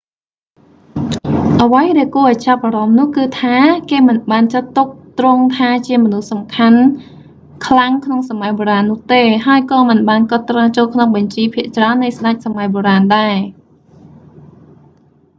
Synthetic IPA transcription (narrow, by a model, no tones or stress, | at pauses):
ʔəʋəjɗaɛlkuəʔɔjt͡ɕap̚ʔaɾɑmnʊ̆əhkɨːt̪ʰaːkeːmɨnɓaːnt͡ɕat̪ːuk̚t̪roŋt̪ʰaːt͡ɕiəmɔnuhsɑmkʰan | kʰlaŋkʰnoŋsamajɓoːɾaːnːʊ̆əht̪eːɦaəjkɑːmɨnɓaːnkŏt̪ːraːt͡ɕoːlkʰnoŋɓɑɲt͡ɕiːpʰiəʔt͡ɕraənːɨjsɗac̚samajɓoɾaːnɗaɛ